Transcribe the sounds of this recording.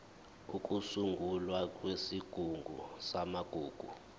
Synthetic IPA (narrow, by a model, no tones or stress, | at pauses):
uk̬ʼusuŋɡʱulwakʼwesiɡ̥ʱuŋɡʱṵsamaɡ̥ʱuːɡ̥ʱṵ